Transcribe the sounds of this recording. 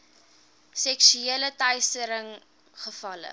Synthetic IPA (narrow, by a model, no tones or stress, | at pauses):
sɛksyeələtœjstəɾəŋ | χəfɐlə̰